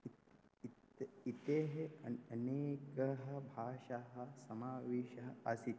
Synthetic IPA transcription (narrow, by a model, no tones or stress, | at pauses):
it̪eːɦeɐ̰ɐneːkɐɦɐbʱaːʃaɦɐsɐmaːʋeːʃɐɦɐɐsit̪